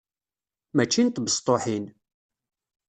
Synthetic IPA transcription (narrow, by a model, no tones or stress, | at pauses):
mæt͡ʃːint̪bəst̪ˤːoħin